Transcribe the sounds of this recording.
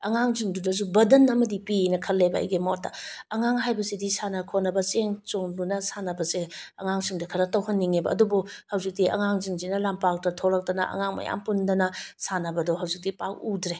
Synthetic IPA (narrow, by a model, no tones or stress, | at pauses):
ɐŋaŋziŋdudɐz̬ubɐdɐnɐmɐdipinɐkʰɐlːebɐɐ̰jɡemot̚tɐ̰ɐŋaŋɦajbɐsidisanɐkʰonːɐbɐseŋt͡ʃoŋdunɐsanɐbɐseɐ̰ŋaŋsiŋdɐkʰɐɾɐtɐwɦɐnːiŋebɐ̰ːdubuhɐwzik̚diɐ̰ŋaŋziŋzinɐlampak̚tɐtʰolɐk̚tɐnɐʔɐ̰ŋaŋmɐ̰ja̰mpundɐnɐsanɐbɐdɔɦɐwzik̚dipak̚udɾe